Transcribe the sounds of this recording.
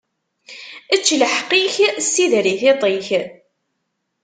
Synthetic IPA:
ət͡ʃːləħqːiçsiðɾiçet̪ˤiç

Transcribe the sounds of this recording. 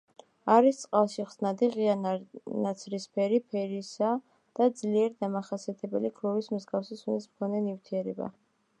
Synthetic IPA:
aɾist̪sʼqʼalˠʃiʁz̥nad̪iʁianat̪sʰɾispʰɛɾipʰɛɾisa | d̪̥ad̪zliɛɾid̪amaχasiat̪ʰɛbɛlikʰɾɔvismzɡafsisunismkʰɔnɛnift̪ʰiɛɾɛba̰

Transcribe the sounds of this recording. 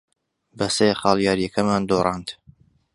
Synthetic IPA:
bɐseχɑːlˠjaːɾijɛkʰɐmaːnd̪oːrˤɑːnd̪

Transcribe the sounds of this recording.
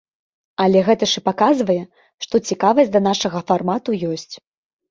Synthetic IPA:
ɐlʲɛɣɛt̪ɐʂɨpakazvɐjɛ | ʂt̪ɔt͡sʲikavɐsʲd̪ɐn̪aʂɐɣɐfarmat̪ujɔsʲt͡sʲ

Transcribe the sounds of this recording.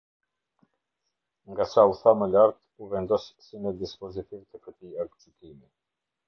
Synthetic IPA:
ŋɡasauθaməlaɾt̪ | uvɛnd̪ɔʃsimɛd̪ispɔzit̪ivt̪əkət̪iaɾɡt͡sik̪imi

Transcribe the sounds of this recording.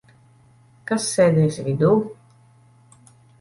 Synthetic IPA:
kasːɛːd̪ɛːsvʲid̪uː

